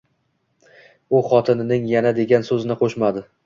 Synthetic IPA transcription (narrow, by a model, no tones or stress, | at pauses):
ʊχɒt̪ʰɪnɪnɪŋjanad̪e̞ɡʲansɵzɪnɪqʰoʃmad̪ɪ